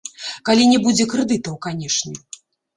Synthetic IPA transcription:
kalʲinʲɛbud͡zʲɛkɾɨd̪ɨt̪ɐwkanʲɛʂnʲɛ

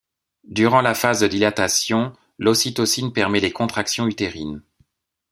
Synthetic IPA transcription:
d̪yʁɑ̃lafazd̪əd̪ilat̪asjɔ̃ | lɔsit̪ɔsinpɛʁmɛlekɔ̃t̪χaksjɔ̃yt̪eʁin

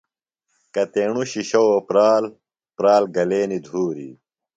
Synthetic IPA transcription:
kɐt̪eːɳuɕiɕowpɾaːl | pɾaːlɡɐleːnid̪ʱuːɾḭ

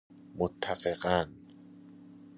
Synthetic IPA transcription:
mut̪ʰːafekan

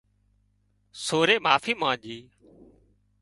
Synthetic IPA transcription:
soːɾeːmaːfiːmãːʄiː

